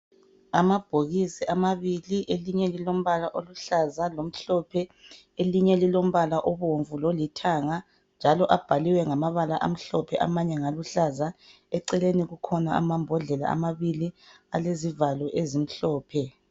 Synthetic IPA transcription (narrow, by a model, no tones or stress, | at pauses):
amab̥ʱoɣisiʔamaβiliʔeliɲɛlilom̩βalaʔoluɬazalom̩ɬɔpʰɛ | eliɲɛlilom̩βalaʔɔβoɱvulolitʰaŋa | nd͡ʒʱalɔʔab̥ʱaliwɛŋamaβalaʔa̰m̩ɬɔpʰɛʔa̰maɲɛŋaluɬaza | ɛǀɛleniɣukʰɔnaa̰mambʱɔɮɛla̰a̰maβilialezivalɔʔezim̩ɬɔːpʰɛ